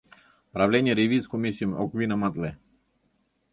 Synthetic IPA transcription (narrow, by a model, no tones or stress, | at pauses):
pɾavlʲɛnʲeɾiviskomisimɔkvinamat̪lɛ